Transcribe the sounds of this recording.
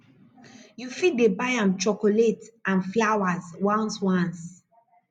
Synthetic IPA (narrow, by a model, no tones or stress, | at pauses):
jufit̚debajãnt͡ʃɔkoletãnflawazwãnswãns